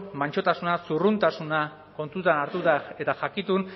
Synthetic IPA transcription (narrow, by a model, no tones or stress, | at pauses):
maɲt͡ʃo̞t̪asunasurunt̪asuna | ko̞nt̪ut̪anaɾt̪ut̪ae̞t̪aʝakit̪un